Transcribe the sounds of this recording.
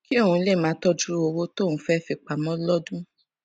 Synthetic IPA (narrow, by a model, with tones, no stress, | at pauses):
ki˦o˦˨ũ˧˦le˦˨mãː˨˦tɔ˦d͡ʒu˦ɾo˧wo˦to˦˨nũ˦fɛ˦fi˧k͡pa˨mɔ̃˦lɔ˦dũ˦